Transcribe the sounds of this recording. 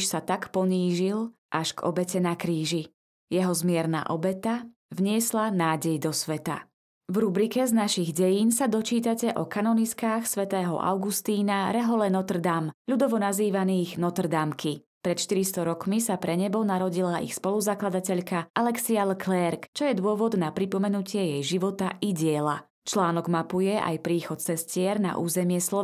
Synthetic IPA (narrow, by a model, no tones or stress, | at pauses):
ʃsat̪akpɔɲiːʒil | ʔaʃɡɔ̰bɛcɛnakɾiːʒi | jɛɦɔzmɪɛɾna̰ːʔɔbɛt̪a | vɲɪɛslanaːɟɛjd̪ɔsʋɛt̪a̰ | vɾubɾikɛznaʃiɣɟɛjiːnsad̪ɔt͡ʃiːt̪acɛʔɔkanɔniskaːxsʋɛt̪ɛːɦɔ̰ʔa̰ʊɡust̪iːnaɾɛɦɔlɛnɔt̪r̩d̪amʎud̪ɔʋɔnaziːʋaniːɣnɔt̪r̩d̪amkʰi | pɾɛt̪ʃt̪iɾist̪ɔɾɔkmisapɾɛɲɛbɔnaɾɔɟilaʔḭxspɔluzaklad̪acɛʎkaʔalɛksialkʰlɛɾkt͡ʃɔjɛd̪ʊɔʋɔd̪napɾipɔmɛnucɪɛjɛjʒiʋɔt̪aiɟɪɛla̰ | t͡ʃlaːnɔɡmapujɛʔa̰jpɾiːxɔt̪̚t͡sɛscɪɛɾna̰ʔuːzɛmɪɛslɔ